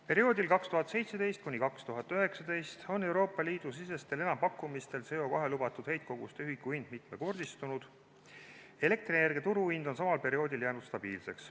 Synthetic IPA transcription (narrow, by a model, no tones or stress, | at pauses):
pe̞ɾio̞ːd̪ilkɑkst̪uɦɑt̪ˑse̞jt̪sed̪e̞jst̪̚kunʲikɑkst̪uɦɑt̪ːˑøɦe̞ksɑd̪e̞jst̪o̞nːe̞wɾo̞ːpːˑɑliːd̪̥usise̞st̪e̞le̞nɑmpɑkːumist̪e̞lse̞o̞kɑɦe̞lubɑt̪ːˑud̪̥hejt̪̚ko̞ɡ̥ṵst̪yɦikːˑuind̪̥̚mit̪me̞ko̞rd̪̥ist̪unud̪̥ | e̞le̞k̚t̪rinerɡet̪uɾuind̪̥o̞ns̬ɑmɑlpe̞ɾio̞ːd̪iljæːnud̪̥st̪ɑb̥iːlse̞ks